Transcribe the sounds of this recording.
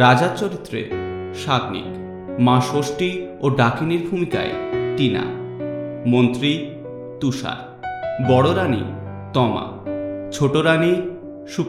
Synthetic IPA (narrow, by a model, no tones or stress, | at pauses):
ɾad͡ʑaɾt͡ɕoɾit̪ːɾḛ | ʃad̪nḭk | mãʃoʃʈioɖakiniɾbʱumika̰eʈina̰ | mont̪ɾi | t̪uʃa̰ɾ | bɔɽoɾanḭ | t̪ɔma̰ | t͡ɕʰoʈoɾani | ʃup